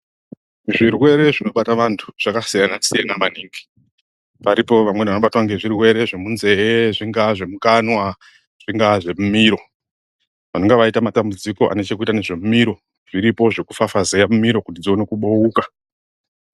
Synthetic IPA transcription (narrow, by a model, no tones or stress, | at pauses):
ʐirwe̞ɾe̞ʐino̞ɓataʋantʰu̥ʐ̥akasijanasijanamaniːŋɡi̥ | paɾipo̞ʋamwe̞nʋanoɓatwaŋɡe̞ʐirwe̞ɾe̞ʐe̞munze̞eʐiŋɡaʐe̞mukanwa | ʐ̥iŋɡaʐe̞mumiɾo̞ | ʋanoŋɡeʋaitamatambud͡ziko̞ʔa̰net͡ʃekuitaneʐe̞mumiɾo̞ | ʐ̥iɾipo̞ʐe̞kufafazejamumiɾo̞kutid͡zio̞ne̞kuɓouːka